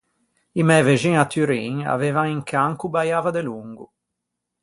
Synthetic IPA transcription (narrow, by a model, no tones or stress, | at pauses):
imɛveʒiŋat̪ːyɾḭŋa̰veːvaŋiŋkʰaŋkubajaːvad̪eluŋɡṵ